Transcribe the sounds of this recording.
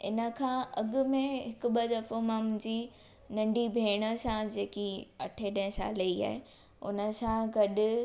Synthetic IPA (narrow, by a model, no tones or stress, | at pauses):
ɪ̰nə̆kʰãːɐɠʊ̆mẽɦɪkʊ̆ɓɐd̪ɐfomãmʊ̃ɦɪ̃ɲd͡ʑi | nɐ̃ɳɖʱibʱeːɽ̃əsãd͡ʑeːkiɐ̰ʈʰeɗɐ̃ɪ̃sã̰ːlɐia̰ːɦe | ʊ̰nə̆sãɡɐɗʊ